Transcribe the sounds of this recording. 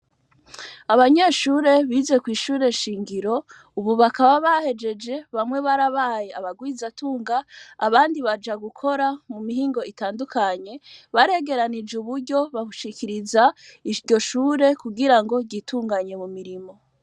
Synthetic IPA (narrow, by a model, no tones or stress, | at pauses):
aβaɲe̞ːʃuːɾe̞βiːze̞kwiːʃuːɾe̞ʃiːŋɡiɾo̞ | uβuβakaβaβahe̞d͡ʒe̞d͡ʒe̞βamŋe̞βaɾaβaːjeaβaɡwiːzatuːŋɡaːβaːndiβad͡ʒaɡukʰo̞ɾamumihiːŋɡo̞itaːndukʰaɲe̞βaɾe̞ɡe̞ɾanid͡ʒuβuɾɟo̞βauʃikʰiɾizaiɾɟo̞ʃuːɾe̞kuɡiɾaŋɡo̞ɟituːŋɡaɲe̞mumiɾimo̞